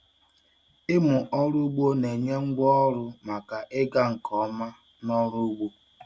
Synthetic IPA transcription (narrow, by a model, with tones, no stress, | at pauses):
ɪ˦mʊ˨ʔɔ˦ɾu˦ɡ͡bo˦ne˨ɲe˦ŋ͡m̩˦ɡ͡bɔ˦ɔ˦ɾʊ˦ma˨ka˨ʔɪ˦ɡa˦ŋ̩˨kʰɔ˦ma˦ | nɔ˦ɾu˦u˦ɡ͡bo˦